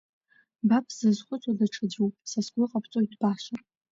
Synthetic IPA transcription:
bapʰz̥ɨzχʷʊt͡sʷʼadaʈ͡ʂʰad͡ʒuwpʼsasɡʷʊqʼapʰt͡sʷʼojdbaʃʷar

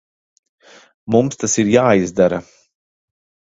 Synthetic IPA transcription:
mumst̪asiɾjaːizd̪aɾɐ

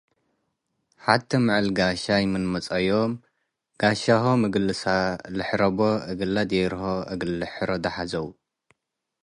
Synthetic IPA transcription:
ħadt̪ʰɐmɨʕɨlɡaʃajmɨnmɐt͡sʼɐjom | ɡ̥aʃahomɨɡɨlːɨsalɨħɾɐbo̞ɨɡɨlːad̪eɾhoʔɐɡɨlɨħɾod̪ɐħazɐwu

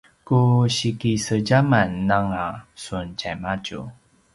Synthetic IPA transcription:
kuɕikisəɟamanːaŋasunt͡ɕajmacṵ

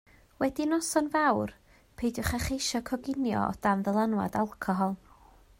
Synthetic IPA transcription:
wɛdinɔsɔnvawr | pʰejdjʊχaχejʃɔkʰɔɡɪnjɔ̰ɔ̰d̥amðəlˠanwa̰dalˠkʰɔɦɔlˠ

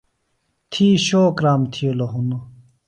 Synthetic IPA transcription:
t̪ʰiːɕoːkɾaːmt̪ʰijoloɦuno

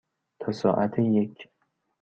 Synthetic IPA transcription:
t̪ʰasɒːʔat̪ʰɪjekʲʰː

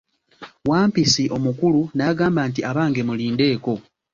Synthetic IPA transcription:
waːmpisiʔo̞mukulunaɡaːmbaːnt̬iaβaːŋɡe̞muliːnde̞ːko̞

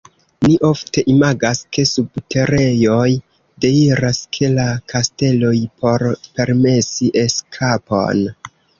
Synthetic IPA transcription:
niʔo̞fte̞ʔimaɡaske̞subtʰe̞ɾe̞jo̞j | de̞iɾaskʰe̞lakʰaste̞lo̞jpo̞ɾpe̞ɾme̞siʔe̞skʰapo̞̰n

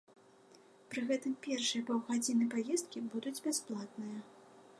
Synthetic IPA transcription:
pɾɨɣɛt̪ɨmpʲɛrʂɨjɐpɔwɣad͡zʲinɨpajɛst̪̚kʲibud̪ud͡zʲbʲasplˠat̪nɨjɐ

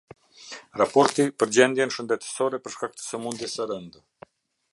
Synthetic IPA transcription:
ɾapɔɾt̪ipəɾd͡ʑɛnd̪jɛnʃənd̪ɛt̪ə̥sɔɾɛpəɾʃkak̚t̪ə̥sɛmund̪ɛsəɾənd̪

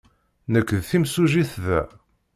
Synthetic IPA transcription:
nəkːðθimsuʒiθðæ̰

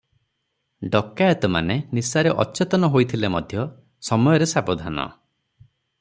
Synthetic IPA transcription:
ɖɔkːaet̪ɔma̰nenisaɾeʔɔ̰t͡ʃet̪ɔnɔɦojt̪ʰilemɔd̪ʱjɔ | sɔmɔjɔɾesabɔd̪ʱanɔ̰

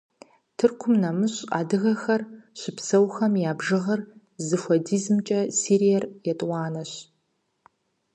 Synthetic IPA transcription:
tʰɨrkʷʰʊmnɐmɨɕʼa̰ːdɨɣɐxɐrɕɪpsɐwxɐmjaːbʒɨʁɐr | zɨfʷɔdiːzmt͡ʃʼɐsiːɾijɛrjɛtʼwɑːnɐɕ

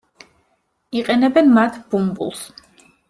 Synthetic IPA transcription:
iqʼɛnɛbɛnmat̪ʰb̥umbṵlˠs

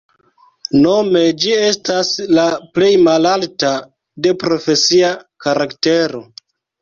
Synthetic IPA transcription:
no̞me̞d͡ʒie̞staslaple̞jmalalta | de̞pɾo̞fe̞siakaɾakte̞ɾo̞

